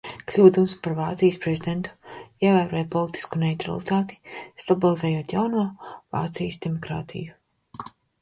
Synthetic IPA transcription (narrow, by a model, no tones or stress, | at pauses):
klʲuːd̪umspaɾvaːt̪sijəspɾezid̪ʲent̪u̥iɛvæːɾoɔːjpɔlˠit̪i̥skunɛjt̪ɾa̰lˠit̪aːt̪i̥st̪abilˠizɛjoɔt̪jawnuɔva̰ːt̪sijəsd̪emɔkɾa̰ːt̪ʰḭju